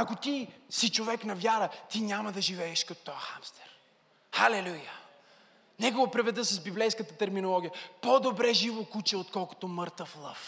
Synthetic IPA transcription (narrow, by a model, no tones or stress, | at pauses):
akot̪isit͡ʃovɛknɐvʲjaɾət̪inʲaməd̪ɐʒivɛːʃkɐt̪o̥t̪ɔjəxamst̪ɛ̥ɾ | xalɛlujə | nʲɛɡovɐpɾɛvɛd̪əsɐsbiblɛjskət̪ət̪ɛɾminolˠɔɡʲijəpod̪obɾɛʒivokut͡ʃɛot̪kɔlˠko̥t̪omɤɾt̪əflˠɤf